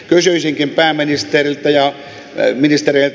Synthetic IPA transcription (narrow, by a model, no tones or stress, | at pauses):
kysyisiŋkimpæːminist̪erilt̪æjɑ | minist̪ereilt̪